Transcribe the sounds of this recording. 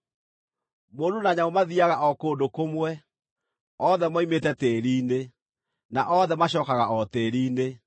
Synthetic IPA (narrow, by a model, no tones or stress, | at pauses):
moːnonaɲaomaðiaɣaʔɔkoːndokomwɛ | ɔðɛmaimetɛteːɾiːne | naʔɔðɛmaɕɔːkaɣaɔteɾiːne